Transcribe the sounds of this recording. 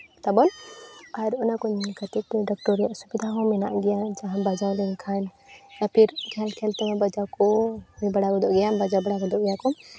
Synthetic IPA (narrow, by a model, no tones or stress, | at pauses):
t̪abɔnaɾɔnakɔnkat̪itɖɔk̚ʈɔɾijaʔsubid̪ʱaɦɔ̃mɛna̰ʔɡɛjad͡ʒaɦãbad͡ʒãlɛnkʰan | apʰiɾkʰalkʰɛlt̪ɛmabad͡ʒawkɔmɛbaɽakɔd̪ɔʔɡɛjabad͡ʒabaɽaɡɔd̪ɔʔɡɛjakɔ